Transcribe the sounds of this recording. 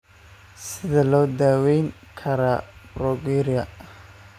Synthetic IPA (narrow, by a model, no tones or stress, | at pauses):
sɪðɐlɔːd̪aːwɛjŋ | kʰɐɾab̥ɾɔɡiɾɪjɐ